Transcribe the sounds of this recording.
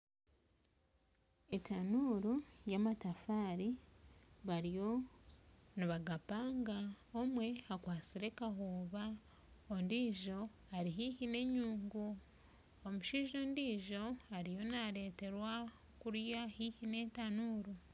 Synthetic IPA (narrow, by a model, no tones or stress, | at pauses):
etanuɾujamatafaːɾi | βaɾijo̞ | niβaɡapaːŋɡa | omwe̞akwaːt͡siɾe̞kaɦoːβa | ondiːʒo̞ | aɾiɦihine̞ɲuːŋɡu | omuʃiʒoːndiːʒo̞aɾijo̞naɾe̞ːte̞ɾwa | kuɾjahihine̞ːtanuːɾu